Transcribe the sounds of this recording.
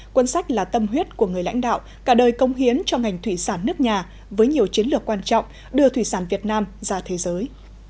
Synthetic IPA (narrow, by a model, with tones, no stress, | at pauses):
kwə˧nsa˦˥jk̟̚laː˨˩t̪ə˧mɦwi˦˥ət̚ku˧˩əŋɨ˨˩əjla̰˧˥jŋ̟ɗa̰ː˧˨w | kaː˧˩ɗəː˨˩jkə˨˦wŋ͡mɦi˨˦ənt͡ɕɔ˧ŋa˨˩jŋ̟t̪ʰwi˧˩saː˧˩nːɨ˦˥ək̚ɲaː˨˩ | vəː˨˦jɲi˨˩əwt͡ɕi˨˦ənlɨ˨˩əkːwaː˧nt͡ɕɔ̰˧˨wŋ͡m | ɗɨ˧ət̪ʰwi˧˩saː˧˩nvi˨˩ət̚naː˧mzaː˧t̪ʰe˨˦zəː˨˦j